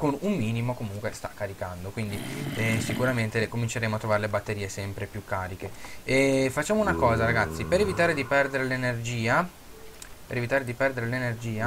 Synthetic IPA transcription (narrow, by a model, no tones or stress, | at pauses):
konumːiːnimokomuŋkwest̪ḁkːaɾikand̪okwind̪iɛsikuɾament̪ekomint͡ʃeɾeːmoat̪ːɾovaːɾelebat̪ːeɾiːesɛmpɾepjukːaːɾikeɛfat͡ʃːaːmounakɔːzaɾaɡat̪sːipeɾevit̪aːɾed̪ipɛrd̪eɾelenerd͡ʒiːa | peɾevit̪aːɾed̪ipɛrd̪eɾelenerd͡ʒiːa